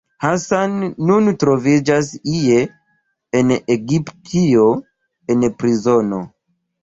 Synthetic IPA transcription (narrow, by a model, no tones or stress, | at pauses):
hasanːuntɾo̞vid͡ʒasie̞ː | neɡiptʰio̞ | enpɾizo̞no̞